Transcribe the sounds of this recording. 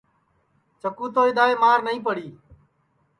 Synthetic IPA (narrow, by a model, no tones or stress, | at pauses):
t͡ʃəkuːt̪oːɪd̪aːeːmaːɾnəĩːpəɽiː